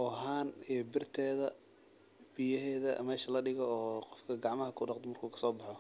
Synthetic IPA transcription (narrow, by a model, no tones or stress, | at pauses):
ʔɔːɦaːnɛbɪrt̪ʰɛːðɐ | b̥ijɐɦɛːðɐ̰mɛːʃɐlɐɖɪɣɔːqɔfkʰɐɡɑʕmɐɦɐkʰʊɖɑqd̪ɛmɐrkʰuːkʰɐ̥sɔːbɑħɔ